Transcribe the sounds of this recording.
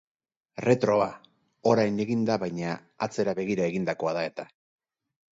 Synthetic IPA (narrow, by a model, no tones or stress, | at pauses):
re̞t̪ɾo̞a | o̞ɾajne̞ɣind̪aβajɲa | a̰t͡se̞ɾaβe̞ɣiɾaeɣind̪ako̞aðae̞t̪a